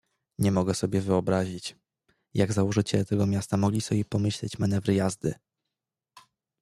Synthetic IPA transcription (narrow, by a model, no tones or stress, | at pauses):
ɲɛmɔɡɛsɔbʲjɛvɘɔbɾaʑit͡ɕ | jaɡzawɔʐɘt͡ɕɛlɛt̪ɛɡɔmʲjast̪amɔɡlʲisɔbʲjɛpɔmɘɕlɛt͡ɕmanɛvɾɘjazd̪ɘ̰